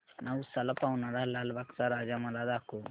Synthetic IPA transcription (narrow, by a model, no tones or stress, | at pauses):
naːwusɐlɐpawunaɽalalbaksaɾaːd͡ʒamɐlad̪aːku